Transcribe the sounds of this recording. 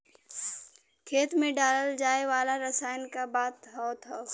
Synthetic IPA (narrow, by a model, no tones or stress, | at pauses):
kʰeːt̪mẽɖaːləld͡ʒaːeʋaːlaɾəsaːjnkabaːt̪ɦɔːt̪ʰoː